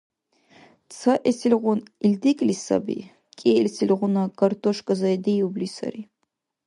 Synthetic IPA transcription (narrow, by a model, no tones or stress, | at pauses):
t͡sʰɐʔɛsilʲʁʷʊnild̪ikʼlisɐ̰bḭ | kʼɛlʲsilʁʷʊnɐkʰʼɐrt̪ʰɔʃkʼɐzɐd̪ijublisɐ̰ɾi